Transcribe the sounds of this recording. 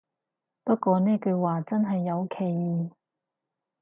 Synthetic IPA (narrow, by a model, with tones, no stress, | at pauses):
pɐ˥t̚kʷɔː˧nɛː˥kɵ˧waː˨˩t͡sɐ˥nɦɐ˨jːɐ˨˧wkʰe˨˩jiː˨˧˩